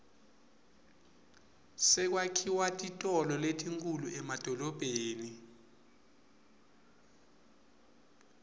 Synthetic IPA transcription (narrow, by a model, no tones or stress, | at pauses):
sɛk̬wakʰiwatʼitʼɔlɔletʰʼiŋkʼuluʔɛmad̥ʱɔlɔb̥ʱeːni